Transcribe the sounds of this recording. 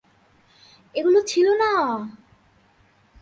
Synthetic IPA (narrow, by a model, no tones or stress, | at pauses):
eɡulot͡ɕʰilona